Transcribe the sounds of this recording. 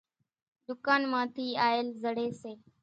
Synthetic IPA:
d̪ʊkaːnmãːt̪ʰiːaːeːlzəɽeːseː

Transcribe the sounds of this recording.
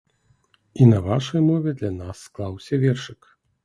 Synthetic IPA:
inɐvaʂɐjmɔvʲɛd̪lʲɐnasːklˠawsʲɐvʲɛrʂɨk

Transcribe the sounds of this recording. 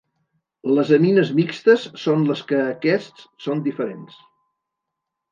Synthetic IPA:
ləzəminəzmikst̪əsːonləskəːkɛst̪ssond̪ifəɾens

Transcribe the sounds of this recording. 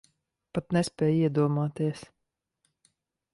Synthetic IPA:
pat̪nɛspʲɛːjiɛd̪uɔmaːt̪iɛs

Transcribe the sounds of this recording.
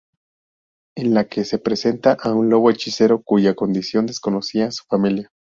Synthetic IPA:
enlakʰe̞se̞pɾe̞se̞nt̪aʔaunlo̞β̞o̞et͡ʃise̞ɾo̞kuʝako̞nd̪isjo̞nd̪e̞sko̞no̞siasu̥familja

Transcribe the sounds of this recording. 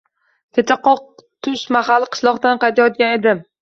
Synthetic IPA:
kʲʰet̪ʰaqɒq̚t̪ʰʊʃmaɦalˠːqʰɨ̥ʃlˠɒqt̪anqʰɑjt̪ajɒt̪̚ɡʲane̞d̪ɪm

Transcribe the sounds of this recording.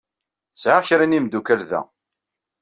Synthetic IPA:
sʕaçɾænimd̪ukælðæ̰

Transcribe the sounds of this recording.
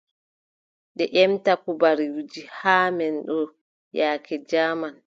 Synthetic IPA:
ɗɛʔɛmtakubaɾiwd͡ʒihaːmɛnɗɔ | jaːkɛd͡ʒaːman

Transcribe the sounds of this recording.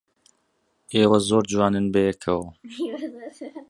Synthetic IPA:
eːwɐzoːɾd͡ʒuwaːnɨnbɐjɛkʰɐwɐ

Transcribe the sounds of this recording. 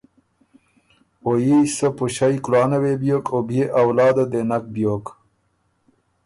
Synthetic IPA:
ojisəpuɕajklaːnɐwebjokobjeʔawlɑːd̪ɐd̪enɐk̚bjoːk

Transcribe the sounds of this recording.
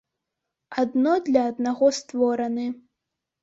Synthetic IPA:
ad̪nɔd̪lʲaːd̪naɣɔst̪vɔɾɐnɨ

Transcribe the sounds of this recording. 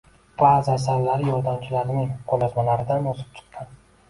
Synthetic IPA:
b̥azas̬aɾlaɾɪjɒɾd̪amt͡ʃʰɪlaɾɪnɪŋqʰonazmalaɾɪd̪anozɪ̥p̚t͡ʃʰɨ̥qːʰɑn

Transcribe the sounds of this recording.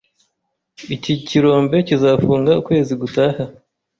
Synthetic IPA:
iciciɾo̞ːmbe̞cizafuːŋɡaukwe̞ːziɡutaːha

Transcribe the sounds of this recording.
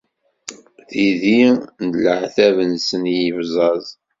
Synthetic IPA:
θiðinləʕθævənsənjəvzˤɑzˤ

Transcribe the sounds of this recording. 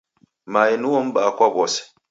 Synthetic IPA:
majenuwombakʷabɔs

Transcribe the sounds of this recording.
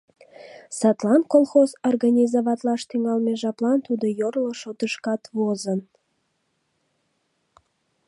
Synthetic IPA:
sɑt̪lɑnkolˠxozorɣɑnʲizoβɑt̪lɑʃt̪yŋɑlmeʒɑplɑnt̪ud̪ojorləʃot̪əʃkɑt̪βozən

